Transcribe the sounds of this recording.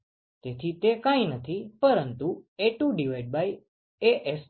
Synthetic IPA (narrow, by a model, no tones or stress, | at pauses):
t̪et̪ʰit̪ekãĩnət̪ʰipəɾənt̪ueʈuɖiʋajɖ̚baj | eʔes